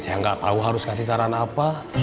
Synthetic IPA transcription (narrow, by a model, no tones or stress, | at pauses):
sajaŋɡaʔt̪auɦaɾuskasisaɾanapa